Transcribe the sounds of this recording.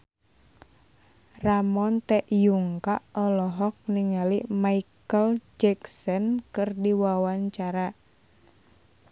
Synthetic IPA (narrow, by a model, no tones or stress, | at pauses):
ramɔnt̪ɛʔjuŋkaʔɔlɔɦɔk̚niŋalimaikəld͡ʒɛksɔnkɨrdiwawaɲt͡ʃaɾa